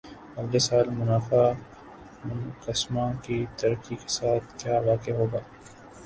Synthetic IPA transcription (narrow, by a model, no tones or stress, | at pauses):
ɐɡlesaːlmʊnaːfa | mʊnkɐsmãkit̪ɐɾkike̥saːt̪̚ʰkjaːʋaːkeɦoːɡaː